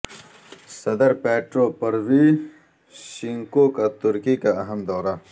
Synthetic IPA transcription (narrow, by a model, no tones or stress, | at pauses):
sɐd̪əɾpeːʈɾoːpɐɾwi | ʃiŋkoːkat̪ʊɾkikaɐɦɐmd̪ɔːɾa